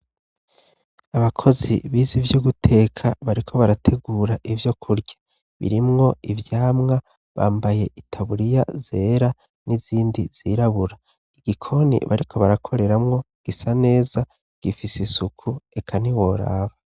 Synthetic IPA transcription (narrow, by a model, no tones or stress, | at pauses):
aβakʰo̞zḭβiːzivjuɡutʰe̞ːkʰaβaɾikʰo̞βaɾatʰe̞ɡuːɾaʔivjo̞kʰuɾɟḁ | βḭɾimŋo̞ivjaːmŋa | βa̰ːmbaje̞ʔitʰaβuɾija̰ze̞ːɾa | niziːndiz̥iɾaβuɾa | iɡ̥ikʰo̞nḭβa̰ɾikʰo̞βaɾakʰo̞ɾe̞ɾamŋo̞ | ɡ̥isane̞ːza | ɡ̥ifisisukʰue̞kʰaniwo̞ɾa̰ːβa